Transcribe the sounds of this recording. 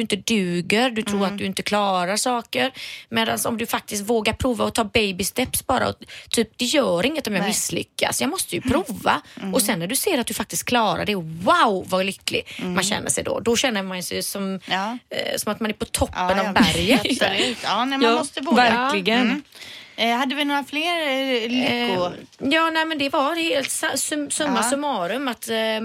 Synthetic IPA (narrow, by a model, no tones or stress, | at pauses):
ɵɪnt̪əd̪ʉ̟ːɡəɾd̪ɵt̪ʰɾuːɾat̪d̪ɵɪnt̪əkʰlɑːɾaʂɑːkəɾmeːd̪ansɔ̰md̪ɵfak̚t̪ɪst̪voːɡaɾpʰɾuːvaɔt̪ʰɑːbɛjbɪst̪ɛpsbɑːɾa̰ɔt̪ʰyːp̚d̪̥ɛjœːɾɪŋːət̪ɔmjaːmɪsːlʏ̰kːa̰sjɑːmɔst̪əjʉpʰɾuːva̰ɔsɛnːæɖɵseːɾat̪̚d̪ɵfak̚t̪ɪst̪̚kʰlɑːɾa̰ɖɛwaʊvalʏkːlɪ̰manɕɛ̰nːə̰ʂɛ̰jd̪ɔ̰d̪ɔɕɛnːəmansɛjsɔm | sɔmat̪manæɾpɔt̪ʰɔpːənnavbæɾjə | nɛmːmɔst̪əvɔvæɾklɪɡən | had̪ːəvɪnoːɾafleːɾlɪkːʊjɑːnɛːmɛnd̪ɛvaɾheːlt̪sasɵsɵmːasɵmɑːɾɵmat̪